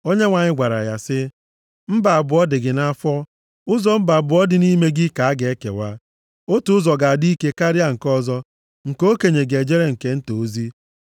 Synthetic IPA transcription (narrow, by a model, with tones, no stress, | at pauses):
o˦ɲe˦ŋʷa˨ɲɪ˦ɡʷa˨ɾa̰˨ja̰˨sɪ˦ | m̩˦ba˨a˨bʊ˨ɔ˦dɪ˨ɡɪ˨na˦fɔ˦ | ʊ˦zɔ˦m̩˦ba˨a˨bʊ˨˦ɔ˦dɪ˨ni˦me˦ɡɪ˦ka˨a˦ɡe˨e˦kḛ˨wa˦ | o˦tu˨˦ʊ˦zɔ˨ɡa˨di˦ke˦ka˦ɾja˦ŋ̩˨kɔ˦zɔ˦ | ŋ̩˨ko˦ke˨ɲe˨ɡe˨d͡ʒe˦ɾe˦ŋ̩˨ke˨n̩˦to˨˦zi˦